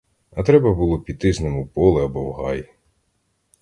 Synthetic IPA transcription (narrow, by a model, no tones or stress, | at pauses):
ɐt̪ɾɛbɐbulˠɔpʲid̪ɪznemʊpɔlˠɪɐbɔwɦɑj